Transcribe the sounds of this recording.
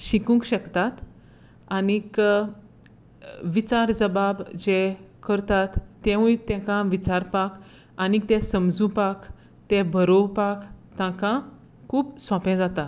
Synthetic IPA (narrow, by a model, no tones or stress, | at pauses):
ɕikũŋkɕəkt̪at̪ | anik | ʋit͡ɕaɾd͡zəbabd͡ʑekəɾt̪at̪ːɛ̃ʋũjt̪ɛ̃kãʋit͡ɕaɾpak | anikt̪ɛ̃səmd͡zũpak | t̪ɛ̃bʱəɾopakt̪ãkã | kʰuːbsɔ̃pɛ̃d͡zat̪a